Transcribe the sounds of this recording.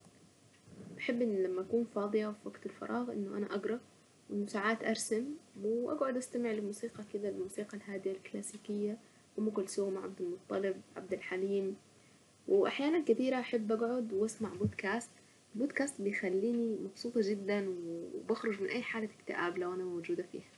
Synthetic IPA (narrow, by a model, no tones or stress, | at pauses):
b̥aħɪbːʔɪnːlamːaʔakuːnfɑːd̪ˤɨjawfiwaɡt̪ɪlfɑ̰ɾˤʔɑːɣʔɪ̰nːʊʔa̰naʔaɡɾˤɑ | wʔɪnːʊsaːʕaːt̪ʔɑɾˤsamwɪʔa̰ɡʕʊd̪ʔast̪amɪʕlɪlmuːsiːqɑkɪd̪alɪlmuːsiːqɑlɦaːd̪ɪjalklaːsiːkɪjːa | ʔamːakʊlːsʊwmaʕa̰b̚d̪almʊt̪ˤːɑlɪb̚ʕa̰b̚d̪alħaliːm | wɪʔaħjaːnankat̪iːɾaʔaħɪbːʔaɡʕʊd̪wʔasmaʕbuːd̪kaːst̪ | ɪlbud̪kaːst̪bɪjxalːiːnimɑbsˤuːt̪ˤɑd͡ʒɪd̪ːanwɪbaxɾˤʊd͡ʒmɪnʔajːħaːlaɪ̥kt̪ɪʔaːblawʔanamawd͡ʒuːd̪afḭːhḁ